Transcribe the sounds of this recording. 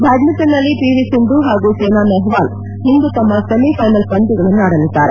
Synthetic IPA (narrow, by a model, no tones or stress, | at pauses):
bʱaːɡ̪nɐt̪ːɐnːɐlːipiʋisiɳd̪uɦaːɡuseːnaːnɛɦʋaːl | ɦind̪ut̪ɐmːɐsɐmipʰɐjnɐlpɐɳʈ̪iɡɐɭɐnːuaːɽɐlid̪ːaːɾe